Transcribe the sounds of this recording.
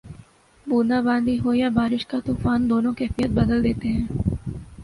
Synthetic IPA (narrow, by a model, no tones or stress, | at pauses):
buːnabãːnd̪iɦoːjabaːɾɪʃkat̪uːfaːnd̪oːnõkɛːfijət̪̚bɐd̪əld̪eːt̪eɦɛ̃ː